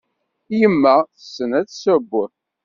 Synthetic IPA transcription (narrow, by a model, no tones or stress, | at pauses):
jəmːæθəsːənæt͡sːsəbːʊ